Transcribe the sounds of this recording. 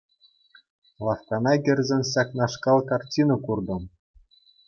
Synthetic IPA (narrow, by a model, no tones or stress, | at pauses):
lˠɑfkɑnɑɡʲɘ̆rʲzʲɘ̆nʲɕɑknɑʂkɑlˠkɑrtʲinɤ̆kurd̪ɤ̆m